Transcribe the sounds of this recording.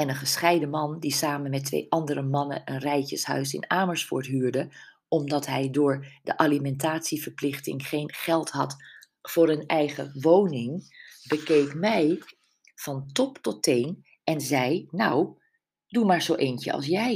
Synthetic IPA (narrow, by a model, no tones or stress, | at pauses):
ɛnənχəsχɛjdəmɑndisaːmənmɛtʋḛjʔɑndəɾəmɑnə̰ənrɛjcəsɦœ̰ɥsɪ̰naːməɹsfʊ̰ːɹtɦyːɹdə | ɔmdɑtɦɛjdʊːɹdə̰ʔalimɛntaːtsivəɹplɪχtɪ̰ŋχejnχɛlˠtɦɑt | fʊːɹənɛjχə̰ʋownɪŋbəkejkmɛj | v̥ɑntɔptɔtejn | ɛnzɛjnaw | dumaːɹzowʔejncə̰ɑ̰lˠsjɛj